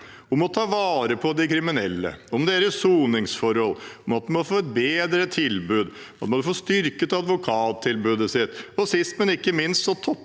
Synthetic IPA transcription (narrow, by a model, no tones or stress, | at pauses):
ɔmɔt̪ʰɑːʋɑːɾəpʰɔd̪ɛkʰɾɪmɪnɛlːə̰ɔmd̪eːɾəsuːnɪŋsfɔɾhɔlːɔmɑt̪̚d̪ɪmɔfoːɛt̪̚beːd̪ɾət̪ʰɪlbʉːd̪ | ɑt̪mɑnd̪foːst̪ʏɾkət̪ɑd̪ʋʊkʰɑːt̪ʰːɪlbʉːd̪əsɪt̪ːɔsɪst̪mɛnɪkːəmɪnst̪sɔt̪ʰɔpː